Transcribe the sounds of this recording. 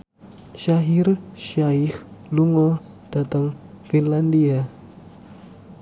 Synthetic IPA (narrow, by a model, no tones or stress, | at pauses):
ʃaɦɪrʃaɪxluŋɔ | d̥at̪aŋ | finlandia